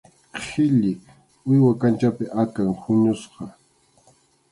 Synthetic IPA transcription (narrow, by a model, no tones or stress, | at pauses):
hʰɪʎɪ | ʊjwakant͡ʃapɪʔakaŋhʊɲʊsqɑ